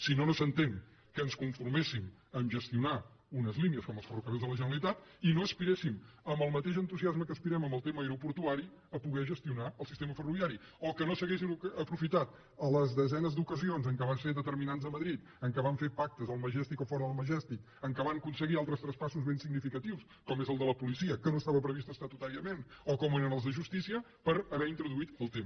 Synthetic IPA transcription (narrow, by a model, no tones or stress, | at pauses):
sinonosənt̪eŋ | kənskuɱfurmesiməmʒəst̪iunaunəzliniəskɔməlˠsfərukəezðələʒənəlˠit̪at̪inoəspiɾesiməmbəlˠmət̪eʃənt̪uziazməkəspiɾɛməmbəlˠt̪eməiɾupuɾt̪uaɾi | əpuɣɛʒəst̪iunaəlˠsi̥st̪eməfəruβjaɾiɔkənosəɣes̬iməpɾufit̪at̪̚ | ələzðəzɛnəzd̪ukəzionzəŋkəβanseðət̪əɾminanzəməðɾit̪ | əŋkəβaɱfepak̚t̪əzəlˠməʒɛst̪ikofɔɾəðəlˠməʒɛst̪ik̚ | əŋkəβaŋəkunsəɣialˠt̪ɾəst̪ɾəspasuzβensiɡnifikət̪iws | kɔmezəlˠd̪ələpulisiəkənoəst̪aβəpɾəβist̪əst̪at̪ut̪aɾiəmenɔkɔmeɾənəlˠzðəʒust̪isiə | pəɾəβɛint̪ɾuðuit̪əlˠt̪em